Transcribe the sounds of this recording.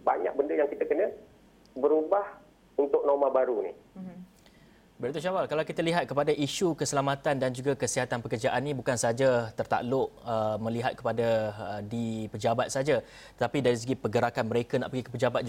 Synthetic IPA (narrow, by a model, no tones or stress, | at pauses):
ba̰ɲa̰k̚bəndəjaŋkit̪əkənə | bəɾubah | unt̪ʊk̚nomãbaɾunḭ | bəɾat̪oʃawalkalawkit̪aliɦat̪̚kəpadaʔiʃukəsəlamãt̪andand͡ʒuɡakəsiɦat̪anpəkərd͡ʒaʔanːĩbukansd͡ʒat̪ərt̪a̰ʔlʊʔəmə̃liɦat̪̚kə̥padadipəd͡ʒabat̪̚sad͡ʒa | t̪ət̪apidaɾis̬əɡipəɡəɾakanməɾekana̰ʔpəɡikəpəd͡ʒabat̪̚